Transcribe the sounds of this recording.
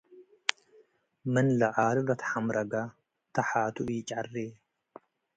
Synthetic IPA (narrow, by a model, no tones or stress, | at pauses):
mɨnlɐʕaːllɐt̪ʰħamɾʔɐɡa | t̪ʰɐħaːt̪ʰuʔjɪt͡ʃʼarːe